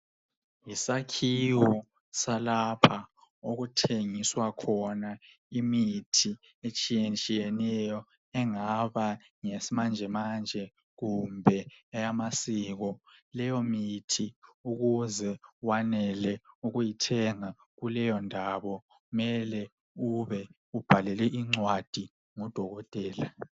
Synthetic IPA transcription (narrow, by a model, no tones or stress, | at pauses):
jisakʰiwɔ | salapʰa | oɣutʰeŋiswakʰɔna | imitʰi | et͡ʃʼijɛnt͡ʃʼijɛnɛjɔ | ɛŋaβa | ŋesimand͡ʒʱɛmand͡ʒʱɛ | ɣumbʱɛɛjamasiɣɔlɛjɔmitʰiuɣuzɛwanɛlɛuɣujitʰɛŋa | ɣulɛjɔndʱaβɔ | ɣumɛlɛ | uβɛ | ub̥ʱalɛlɛʔiŋ͡ǀwad̥ʱi | ŋɔd̥ʱɔɣɔtʼɛːla